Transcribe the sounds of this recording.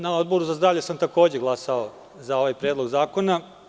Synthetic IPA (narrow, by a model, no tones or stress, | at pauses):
naod̪̚bo̞ɾuzazd̪ɾaːʋʎesamt̪ako̞ːd͡ʑe̞ɡlˠasao | zao̞ʋajpɾeːd̪lo̞ɡzaːko̞na